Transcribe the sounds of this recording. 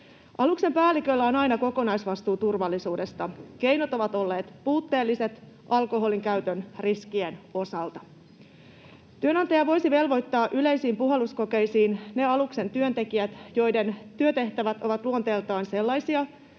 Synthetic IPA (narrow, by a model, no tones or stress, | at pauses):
ɑlukse̞mpæːlikø̞lːæo̞nɑjnɑko̞ko̞nɑjsʋɑst̪uːt̪urʋɑlːisuːde̞st̪ɑke̞jnot̪o̞ʋɑt̪o̞lːe̞ːt̪puːt̪ːe̞ːlːise̞t̪ | ʔɑlko̞ɦo̞liŋkæyt̪ønriskieno̞sɑlt̪ɑ̥ | t̪yønɑnt̪ɑjɑʋo̞jsiʋe̞lʋo̞jt̪ːɑːʔyle̞jsiːmpuɦe̞lusko̞ke̞jsiːnne̞ɑlukse̞nt̪yønt̪e̞kiæt̪jo̞jde̞nt̪yøt̪e̞ht̪æʋæt̪o̞ʋɑt̪luont̪e̞ːlt̪ɑːnse̞lːɑjsiɑ